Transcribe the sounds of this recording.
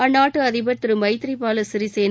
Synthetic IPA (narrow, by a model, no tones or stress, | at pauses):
ɐnːaːʈːɯɐðɪbɐt̪ːɯɾɯmɐɪt̪ɪɾipaːlɐsɪɾiseːn